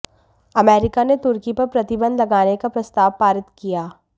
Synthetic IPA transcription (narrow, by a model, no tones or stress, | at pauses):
ɐmɛːɾɪkanet̪ʊɾkipɐɾpɾɐt̪ɪbə̃nd̪lɐɡaːnekapɾɐst̪aːʋpaːɾɪt̪kijaː